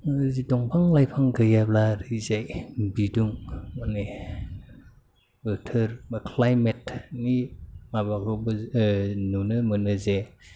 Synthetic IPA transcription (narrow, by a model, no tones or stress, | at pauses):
zidɔŋpʰaŋlajpʰaŋɡɯjablaɾɯzajbiduŋmane | bɯtʰɯɾmɯkʰlajmetnimabakɔbɯ | nunɯmɯnɯze